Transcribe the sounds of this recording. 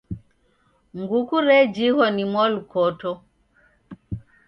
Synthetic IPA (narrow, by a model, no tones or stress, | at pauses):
ŋɡukuɾɛd͡ʒihɔnimwalukɔtɔ